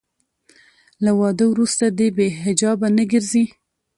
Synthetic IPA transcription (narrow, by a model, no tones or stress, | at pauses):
lawɑd̪əwɾust̪ad̪ebeɦɪd͡ʒɑbanəɡəɾzi